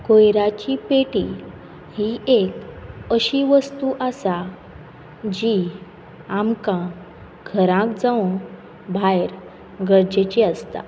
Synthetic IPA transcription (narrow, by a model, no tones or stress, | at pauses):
kojɾat͡ɕipeʈi | hiekəɕiʋəst̪uʔasa | d͡ʑi | amkã | ɡʱəɾãkd͡zaõ | bʱajɾ | ɡəɾd͡ʑet͡ɕiast̪a̰